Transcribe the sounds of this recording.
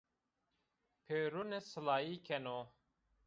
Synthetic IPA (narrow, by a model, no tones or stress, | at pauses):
pʰeːɾunesɨlaːiːkʰɛnoː